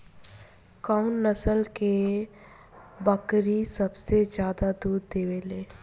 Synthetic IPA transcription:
kaːʊnnəsəlke | bəkɾisɐbsed͡ʒjaːd̪ad̪uːɾd̪eːʋeːleː

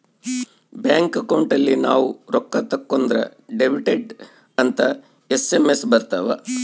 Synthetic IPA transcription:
bjaːŋkɐkɐwɳʈɐlːinaːʋuɾɔkːɐt̪ɐkːond̪ɾɐ̰ɖebiʈeɖ | ɐnt̪ɐ | esemesbɐɾt̪ɐʋɐ̰

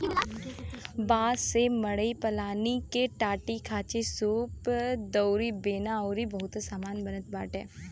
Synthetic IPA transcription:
baːsemɐɽəipɐlaːnikeʈaːʈikʰaːt͡ʃesuːpd̪oːɾibeːnaɔːɾibɐɦʊt̪saːmaːnbɐnət̪̚baːʈɦɛː

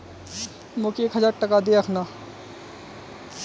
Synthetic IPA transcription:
mokieːkɦəzaːɾʈəkad̪eɐkʰnaː

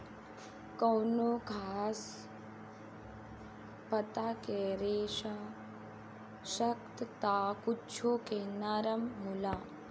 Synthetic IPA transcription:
kɐwnoɡʱaːs | pɐt̪akeɾeːʃa | ʃɐkt̪t̪akut͡ʃʰoːkenaːɾɐmɦulaː

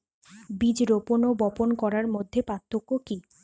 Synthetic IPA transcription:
bid͡ʑɾoponobɔponkɔɾaɾmod̪ʱːepɾat̪ʰːokoki

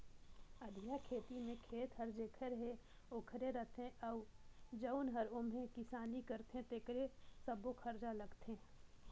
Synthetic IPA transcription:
əd̪ʱjakʰeːt̪imẽkʰeːt̪ɦəɾd͡ʒekʰəɾɦe | okʰɾeɾət̪ẽʔɐʊd͡ʒəʊnɦɐɾʊmɦẽkɪsaːnikəɾt̪eɦẽt̪ekɾesəbokʰəɾd͡ʒalɐɡt̪e

